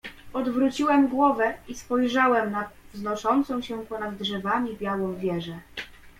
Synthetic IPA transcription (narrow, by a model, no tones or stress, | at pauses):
ɔd̪vɾut͡ɕiwɛmɡwɔvɛispɔjʐawɛmnavznɔʂɔnt̪sɔ̃w̃ɕɛpɔnad̪ːʐɛvamʲibʲjawɔ̃w̃vʲjɛʐɛ